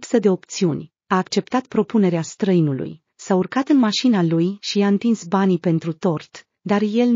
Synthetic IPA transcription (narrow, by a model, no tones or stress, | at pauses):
psəd̪e̞o̞pt̪siunʲ | aːkt͡ʃe̞pt̪at̪pɾo̞pune̞ɾeast̪ɾəinulṵj | saurkat̪ɨnmaʃinalujʃiaɨnt̪insbanipe̞nt̪ɾut̪o̞rt̪ | d̪arje̞l